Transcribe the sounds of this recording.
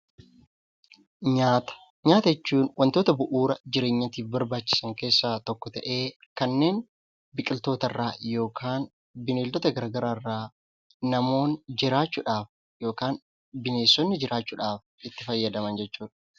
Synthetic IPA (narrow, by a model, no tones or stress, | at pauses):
ɲaːt̪ɐ̥ | ɲaːt̪ɐɛt͡ʃːuːnwʔɐnt̪oːt̪ɐbʊʔuːɾɐd͡ʒɪɾeːɲːɐt̪iːfbɐɾbaːt͡ʃːɪ̥sɐŋke̞ːsːaːt̪ɔkːɔt̪ɐʔe̞ːkɐnːe̞ːn | bɪkʼɪlt̪o̞ːt̪ɐrːaːjo̞ːkʰaːn | bɪneːld̪ɔt̪ɐɡɐɾɡɐɾaːrːaː | nɐmo̞ːnd͡ʒɪɾaːt͡ʃːʊᶑaːf | jo̞ːkaːn | bɪneːsːɔnːɪd͡ʒɪɾaːt͡ʃːʊᶑaːf | ɪt̪ːɪfɐjːɐd̪ɐmɐnd͡ʒɛt͡ʃːuːᶑɐ̥